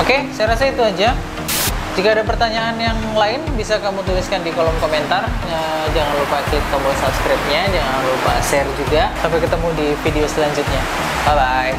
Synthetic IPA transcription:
okesajaɾasait̪uad͡ʒa | d͡ʒikaːdapərt̪aɲaːnjaŋlaɪnbisakamut̪ulɪskandikolɔmkoment̪arəd͡ʒaŋanlupaklɪk̚t̪ɔmbɔsapskɾap̚ɲad͡ʒaŋanlupa̰sɛrd͡ʒuɡasampajkət̪əmudifideosəlaɲd͡ʒʊt̪̚ɲa | mabaj

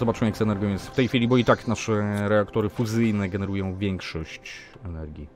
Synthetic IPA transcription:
zɔbat͡ʂmjak̪sɛnɛɾɡɔ̃wʲjɛsft̪ɛjfʲilʲibɔit̪aknaʂɛɾɛakt̪ɔɾɘfuzɘjnɛɡɛnɛɾujɔ̃w̃vʲjɛŋkʂɔɕt͡ɕ | ɛnɛɾɡʲi

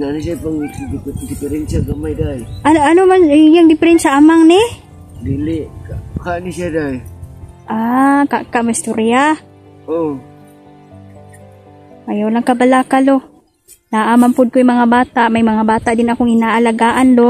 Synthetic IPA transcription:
nanas̬apaŋd̪ɪpɛɾɛnʃaɡamajd̪ajʔananomanjaŋd̪ɪpɪɾɛnʃaʔamaŋnɪ | d̪ilɪʔkakaʔnisjad̪ajʔaka̰ʔkaʔmaist̪oɾia | o | ʔajawlaŋkabalakalo | naːʔamampʊd̪̚kojmaŋabaːt̪aʔmajmaŋabaːt̪aʔd̪ɪnakoŋɪnaʔalaɡaːʔand̪o

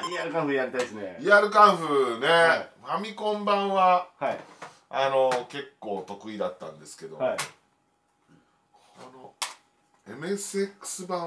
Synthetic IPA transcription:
iaɾɯ̟kãɸɯjaɾʲit̪aisɨneiaɾɯ̟kãɸɯnepamʲikõ̞mbãɰ̃βahai | ano̞ke̞kːo̞ːt̪o̞kɯ̟id̪at̪ːã̰nd̪e̞sɨ̥ke̞d̪oai | k | ano | e̞mɯ̟esekːɯ̥sɨbã

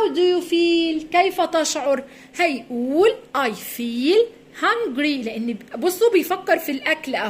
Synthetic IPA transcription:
wd̪ɪjufiːlkejfat̪ɑʃʕʊɾˤ | hajʔuːlʔɑjfiːl | haŋɡɾilɪʔɪnːbɑsˤːubɪjfakːɪɾˤfilʔaklʔa

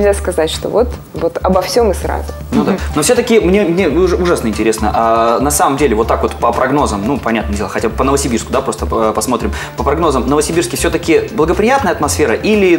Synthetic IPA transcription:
zʲaskɐzatʲʂt̪o̰vot̪ | vot̪ɐbɐfsʲo̞mɨsɾa̰zʊ | nud̪anofsʲot̪əkʲɪmnʲemnʲeʊʐasnəɪnʲtʲɪɾʲe̞snəʔanɐsaməmdʲelʲɪvo̞t̪ːakvo̞t̪pəpɾɐɡno̞zəmnupɐnʲat̪nədʲelˠəxɐtʲabəpənəvəsʲɪbʲirskʊd̪apɾo̞st̪əpɐsmo̞t̪ɾʲɪm | pəpɾɐɡno̞zəmnəvəsʲɪbʲirskʲɪfsʲɵt̪əkʲɪblˠəɡəpɾʲɪjat̪nəjəɐt̪mɐsfʲeɾəʔilʲɪ

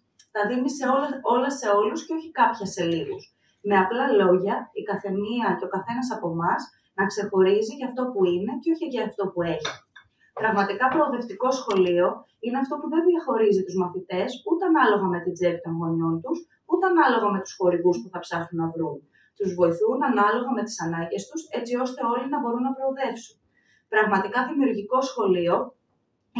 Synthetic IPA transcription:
t̪ɐðimiseoo̞lɐsːe̞o̞lusceo̞çi̥kɐpçɐse̞liɣṵs | me̞ɐplɐlo̞ʝɐikɐθe̞niɐce̞o̞kɐθe̞nɐsɐpo̞mɐz | nɐkse̞xo̞ɾiziʝɐft̪o̞puine̞ceo̞çiʝɐːft̪o̞pue̞çi | pɾɐɣmɐt̪ikɐpɾo̞ːðe̞ft̪iko̞sxo̞lio̞ | ine̞ɐft̪o̞puðembilɐxo̞ɾizit̪uzmɐθit̪e̞sut̪eɐnɐlo̞ɣɐme̞t̪id͡zepit̪oŋɣonont̪us | ut̪eɐnɐlo̞ɣɐme̞t̪u̥sxo̞ɾiɣuspuθɐpsɐxunːɐvɾun | t̪uzvo̞iθunɐnɐlo̞ɣɐme̞t̪i̥sɐnɐɲɟe̞st̪use̞t͡sio̞st̪e̞o̞linɐbo̞ɾunːɐpɾo̞ːðe̞fsun | pɾɐɣmɐt̪ikɐðimiuɾʝiko̞sxo̞lio̞

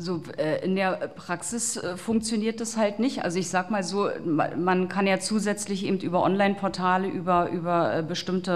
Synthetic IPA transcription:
zoɛːʔɪndeːɐpʁ̥aksɪsɛfʊŋkt͡sjoniːɐt̚d̥ashaltnɪçtʔa̰lzoɪçz̥aːɡəmaːlzo̰ːmankʰanjaːt͡suːzɛt͡slɪçʔḛːbm̩tʔyːbɐʔɔnlaɪnpʰɔɐtʰaːləʔyːbɐʔyːbɐʔɛ̰ːbəʃtɪmtə

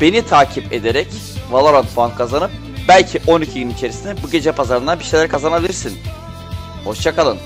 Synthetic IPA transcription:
b̥e̞nit̪ʰaːcʰipe̞d̪eɾɛc | valˠaɾanfuankʰazanɯp̚ | bælʲcʰiʔo̞nicʰiɟynit͡ʃʰe̞ɾisind̪ɛbuɟe̞d͡ʒɛpʰazaɾɯnd̪anbiʃejlʲæɾkʰazanabilʲiɾsin | ho̞ʃt͡ʃʰakalˠɯn

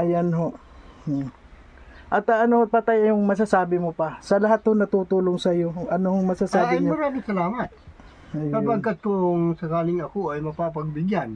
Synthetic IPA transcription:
ʔɐjanɦoʔ | ʔɐt̪ɐʔɐnohopɐt̪ajɐjʊŋmɐs̬asaːbɪmopɐsɐlɐɦat̪honɐt̪uːt̪uːloŋsɐjoɐnohoŋmɐsasaːɪmnoɾaːmɪsɐlaːmɐt̪̚ | ɐjapɐɡkat̪̚kooŋsɐkaːlɪŋɐkoɐjmɐpapɐɡ̚bɪɡjan

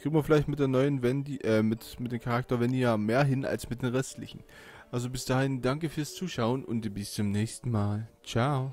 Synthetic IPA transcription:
ɡ̥ɪɡŋ̩viɐfɪlaɪçtmɪt̚d̥eːɐnɔʏənvɛndiʔɛːmɪtmɪt̚deːmkʰaʁak̚tɐvɛndijaːmeːɐɦɪnʔa̰lsmɪt̚d̥eːnʁɛstlɪ̰çn̩ | ʔalzobɪsd̥aːhɪndaŋkəfyːɐst͡suːʃaʊənʔʊ̰ntibɪst͡sʊmnɛːçstn̩maːlt͡ʃaʊ

